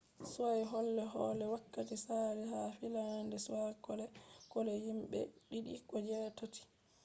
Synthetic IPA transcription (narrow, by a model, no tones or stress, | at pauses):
suwajɦɔlːɛɦɔːlɛwakːatisaliɦafilandɛsuwakɔlɛkɔlɛjimɓɛ̰ɗiɗḭkɔd͡ʒɛːtati̥